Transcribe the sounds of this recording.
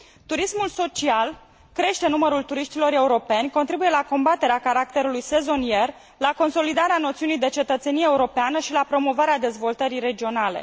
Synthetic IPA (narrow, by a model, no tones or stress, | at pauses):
t̪uɾismulso̞t͡ʃial | kɾe̞ʃt̪e̞numəɾult̪uɾiʃt̪ilo̞ɾe̞uɾo̞pe̞nʲko̞nt̪ɾibuje̞lako̞mbat̪e̞ɾeakaɾak̚t̪e̞ɾulujse̞zo̞nije̞r | lako̞nso̞lid̪aɾeano̞t̪siunijd̪e̞t͡ʃe̞t̪ət̪se̞nijeːuɾo̞peanəʃilapɾo̞mo̞vaɾead̪e̞zvo̞lt̪əɾiɾe̞d͡ʒio̞nale̞̰